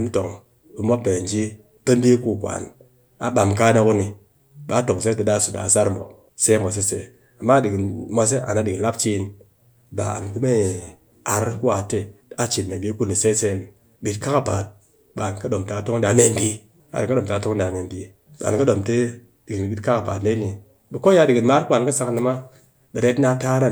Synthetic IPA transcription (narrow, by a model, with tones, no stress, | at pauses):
ni˦to˨ŋ | bi˨mo˦pe˨n˨d͡ʒi˦ | pe˦n˦di˦ku˦˨kʷa̰˨n | a̰˨ɓa˨mka˦ne˦ku˦ni˨ | ɓa˨˦to˨ŋ˨s̬e˦te˨˦da˦˨su˨da̰˨sa˦ɾmo̰˨ | se˦ma˨s̬e˦se˨ | a˨mːa˦di˨ɡi˨ma˧s̬e˦ʔa̰˨na˨di˨kla˦p̚t͡ʃi˦n | ba̰˨n˨ki˦me˦ | a˨ɾku˦a˨te˦ | a˦t͡ʃi˨nme˨bi˦ku˦ni˨se˦se˦n˨ | bi˨tka˦ka˨ba̰˨t̚ | ɓa˨nka˦do˨mta˨˦to˦ŋ˦da˨me˨ndi˦ | a̰˨ka˦do˨m˨ta˨˦to˦ŋ˦da˨me˨ndi˨ | ɓa̰˨n˨ka˦ɗo˨mte˦ | di˨ɡi˨n˨bi˦tka˦ka˨ba̰˨tle˦ni˨ | bi˨ko˦ja˧˦di˨ɡi˨nma˦ɾa˨n˨ka˦sa˦kni˧˦ma˦ | ɓe˨ɾe˦tna˦ta˦ɾa˦